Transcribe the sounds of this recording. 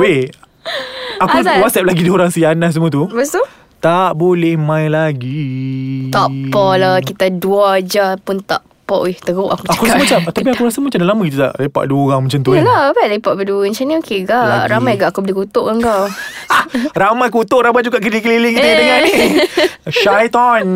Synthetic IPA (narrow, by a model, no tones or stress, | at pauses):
be | akuwat̪̚sɛp̚laɡidəoɾaŋsianahs̬əmũət̪̬ubəsu | t̪aʔbolehmãjlaɡit̪apɔlakit̪aduad͡ʒapʊnt̪aʔ | pɔʔit̪əɣoʔakuakuɾasmat͡ʃamt̪apiakuɾasəmat͡ʃamdalamãkit̪ut̪a̰ʔlepa̰ʔduəoɾaŋmat͡ʃamt̪ulabaʔlepaʔbəduəɲt͡ʃaniokeɡaʔɾamajɡaʔakubəlɪkut̪oʔkaŋkaw | ramajkut̪oʔɾamajd͡ʒuɡaʔkədikəliliŋkit̪udəŋani | ʃajt̪ɔn